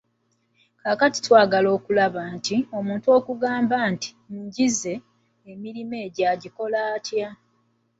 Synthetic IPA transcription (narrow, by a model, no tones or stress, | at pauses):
kaːkati̥twaːɡalo̞ːkulaβaːntio̞muːntuo̞ːkuɡaːmbaːnti̥ | ɲɟize̞ː | miɾime̞ːɟaɟiko̞laːtʰja